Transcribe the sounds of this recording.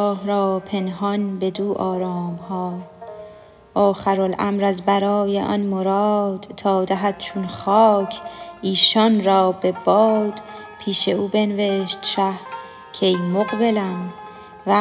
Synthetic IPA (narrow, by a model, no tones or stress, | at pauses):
hɾɒːpʰe̞nɦɒnbe̞d̪uːʔɒːɾɒːmhɒː | ɒːχæɾolʔæmɾæzbæɾɒːjeʔɒ̰nmoɾɒːd̪̥t̪ʰɒːd̪æɦæd̪̥̚t͡ʃʰunχɒːkʰʔiːʃɒnɾɒːbe̞bɒːd̪̥ | pʰiːʃe̞uːbenve̞ʃt̪ʃæh | cʰejmoɣbe̞læm | væ